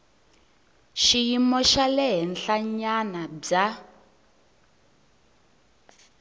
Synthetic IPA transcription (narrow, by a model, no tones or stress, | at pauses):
ʃijimɔʃalɛɦɛnɬaɲanab͡ʐa